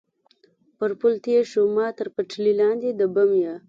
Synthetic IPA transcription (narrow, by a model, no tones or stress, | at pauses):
pəɾpʊlt̪ieʃomɑːt̪əɾpəʈ͡ʂʰlilɑːnd̪ed̪əbamja